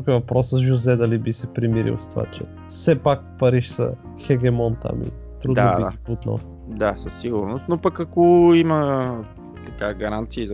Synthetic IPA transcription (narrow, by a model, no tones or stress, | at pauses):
kɛvɐpɾɔsəʒʊzɛd̪ɐlibisɛpɾimiɾḭlˠsɐ̥t̪va̰t͡ʃɛ̰ | fsɛpak̚pɐɾiʃsə̰ | xɛɡʲɛmɔnt̪a̰mḭ | t̪ɾud̪d̪ad̪ia̰iput̪nə̰lˠ | d̪asɐsːiɡʊɾnʊst̪nopɐkɐkoimɐ | t̪ɐkaɡɐɾant̪siːz